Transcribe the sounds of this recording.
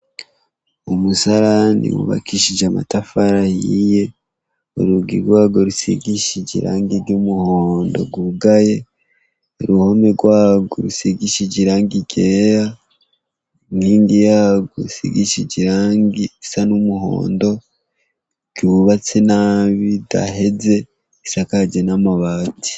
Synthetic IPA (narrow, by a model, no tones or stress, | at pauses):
omusaɾanḭwṵβa̰kiʃid͡ʒama̰tafaɾajije̞ | o̰ɾuɡiɡɡwaːɡo̞ɾusḭɡiʃiɟḭɾa̰ːŋɡiɾɟumuhoːndo̞̰ɡuɡaje̞ | oɾuhomeɾɡwaːɡo̰ɾusiɡiʃiɟiɾaːŋɡiɟeɾa | niːŋɡijaːɡosḭɡiʃiɟiɾaːŋɡisanumuho̰ːndo̞ | ɟ̥uβat͡senaːβida̰ɦeze̞ | isakaɟenamaβaːti̥